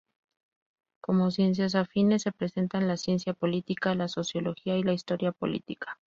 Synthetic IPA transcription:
ko̞mo̞sje̞ns̬jas̬afine̞se̞pɾe̞se̞nt̪anlasje̞nsjapo̞lit̪ikalaso̞sjo̞lo̞xiailaist̪o̞ɾjapo̞̰lḭt̪ikḁ

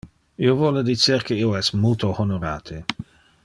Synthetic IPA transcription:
iovɔled̪it͡serkeioɛsmult̪ohonoɾa̰ːt̪ʰe

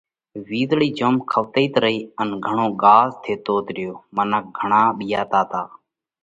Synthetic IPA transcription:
ʋiːd̪ɭiːd͡ʒoːmkʰəʋt̪əiːt̪ɾəiːənɡʱəɳõːɡaːzt̪ʰeːt̪oːt̪ɾɪjoːmənək̚ɡʱəɳãːɓɪjaːt̪aːt̪aː

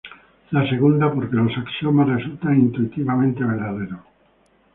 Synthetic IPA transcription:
laseɣ̞und̪apoɾkelosaksjomaresult̪aŋint̪uit̪iβamẽnt̪eβeɾðaðeɾo

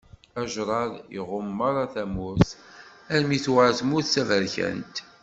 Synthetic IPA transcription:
æʒɾˤɑɾˤḭʁʊmːɑɾˤɑθæmuθæɾmiθwaθmʊθsævəɾçæ̰nt̪

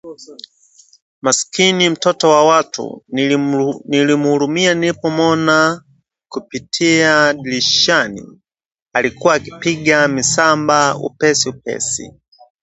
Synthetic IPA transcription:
maskinim̩tɔtɔwawatʰṵ | nilimuhuɾumianipɔmɔna | kupitʰiaɗiliʃanḭ | alikuwaːki̥piɠamisambaṵpɛsiup̚ɛ̰sḭ

